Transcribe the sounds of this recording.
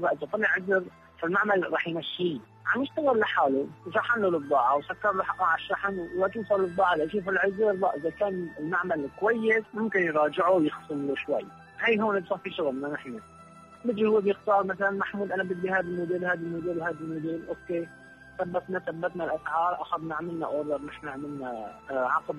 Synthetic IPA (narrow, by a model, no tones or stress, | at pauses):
baʔɪzat̪ˤɨlːɪʕʊzɾ | falmaʕmalɾˤɑːħjmaʃːi | ʕamjɪʃt̪aɣɪlːaħaːluʃˤɑħanlolɨd̪ˤːɑːʕawsakːɑɾˤloħaʔaʕaʃːɑħanːat̪uːsˤɑlːɨd̪ˤːɑːʕalʔaʃiːfɪlʕʊzɾba̰ʔɪzakaːnɪlmaʕmalkwajːɪsmʊmkɪnjɾˤɑːd͡ʒɪʕuwjɪxsˤɨnloʃwa̰j | hajɦoːnɪd̪sˤɑːfiʃʊɣlnanɪħna | bɪd̪uhʊwːebjɪxt̪ɑːɾˤmaθalanmaħmuːd̪ʔanabɪd̪bihaːd̪almʊd̪iːlhaːd̪ɪlmʊd̪iːlhaːd̪almʊd̪iːlʔoːkːeː | θabːat̪naθabːat̪nalʔasʕɑːɾˤʔaxad̪naʕmɪlna̰ʔoːlɑɾˤnɪħnaʕmɪlnaʕɑqb